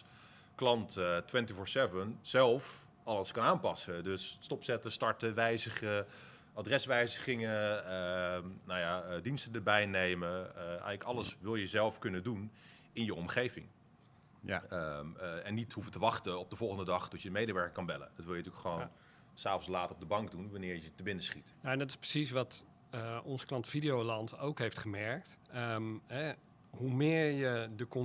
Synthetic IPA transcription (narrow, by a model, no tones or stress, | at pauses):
klɑnttwɛntifɔɹsɛvənz̥ɛlˠf | ɑləskɑnaːnpɑsədøsːtɔpsɛtəstɑɹtəʋɛjzəχə | adrɛsʋɛjzəχɪŋəənowjadinstədəɹbɛjnejməɛ̰jɣləkɑləsʋɪlˠjəzɛlˠfkɵnədun | ɪnjəɔmχejvɪŋ | əɛnːithuvətəʋɑχtəɔp̚dəvɔlˠχəndədɑχtɔtjəmejdəʋɛɹkkɑnbɛlə̰dɔtʋɪlˠjətyəkχəʋoːnn | saːfənslaːtrɔb̚dəbɑŋkdunʋanɪːɹjətəbɪnəsχitnaɛndɔtɪ̥sprə̥sisʋɑt | ɔnsklɑntfidijowlɑnto̰wkɦejftχəmɛɹk̚təmɦɛ | humɪːɹjədəkɔ